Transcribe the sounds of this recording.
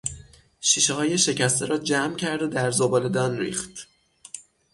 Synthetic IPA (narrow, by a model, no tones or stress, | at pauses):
ʃiːʃehɒːje̞ʃe̞cʰæst̪eɾɒːd͡ʒæmcʰæɾd̪od̪æɾzobɒːle̞d̪ɒːnɾḭːxt̪